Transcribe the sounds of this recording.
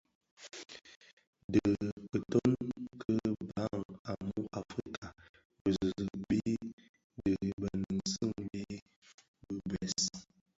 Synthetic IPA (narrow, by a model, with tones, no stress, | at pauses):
də˨kə˨to˦nkʰə˦ba˨˦ŋa˨mu˦ʔa˨fɾi˦kʰa˨ | bə˨zzə˨ɓi˦ | də˨bə˨nn̩˨sə˦˨ŋbe˦ | bə˦bɛ˨s